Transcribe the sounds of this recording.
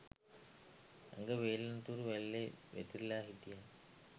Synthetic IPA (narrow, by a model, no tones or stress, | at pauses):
a̰ŋɡəʋeːlant̪uɾuʋælːeʋḛt̪iɾlaːɦit̪ija